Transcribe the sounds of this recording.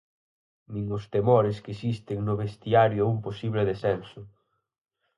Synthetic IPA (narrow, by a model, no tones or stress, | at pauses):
mĩŋʊst̪emɔɾɪskesist̪ɪŋnʊβest̪iaɾjʊumposiβlɪðesɛnsʊ